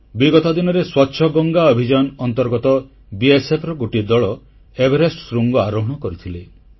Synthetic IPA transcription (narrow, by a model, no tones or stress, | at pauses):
biɡɔt̪ɔd̪inɔɾeswɔtːʃʰɔɡɔŋɡaɔbʱid͡ʒanɔnt̪ɔɾɡɔt̪ɔ | biesepʰɾɔɡoʈid̪ɔɭɔ | ebʱeɾesʈsɾuŋɡɔaɾɔɦɔɽ̃ɔkɔɾit̪ʰile